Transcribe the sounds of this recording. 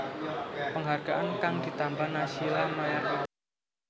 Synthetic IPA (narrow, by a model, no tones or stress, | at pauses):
pəŋɦarɡ̥aʔankaŋd̪̥i̤t̪ambanasilamajak